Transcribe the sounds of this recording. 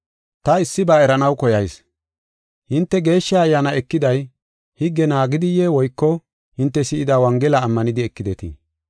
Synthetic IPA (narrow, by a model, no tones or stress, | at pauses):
t̪ɐɪsːɪbɐɛɾɐnɐwkɔjɐjs | hɪnt̪ːɛɡe̞ːʃːaɐjːaːnɐɛkːɪd̪ɐj | hɪɡːɛnaːɡɪd̪ɪjɛwɔjkːɔ | hɪnt̪ːɛsɪʔɪd̪aːwɐŋɡɛlɐːmːɐnɪd̪ɪɛkːɪd̪ɛt̪ḭ